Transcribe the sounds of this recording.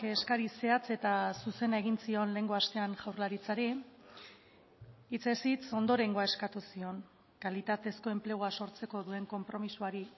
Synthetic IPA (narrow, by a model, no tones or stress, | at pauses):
eskaɾise̞at͡se̞t̪asuse̞nae̞ɣ̞insio̞nle̞ŋɡoast̪e̞anʝawɾlaɾit͡saɾi | t͡se̞sit͡so̞nd̪o̞ɾe̞ŋɡoae̞skat̪usio̞ŋ | kalit̪at̪e̞sko̞e̞mple̞ɣ̞oaso̞ɾt͡se̞ko̞ðue̞ŋko̞mpɾo̞misuaɾi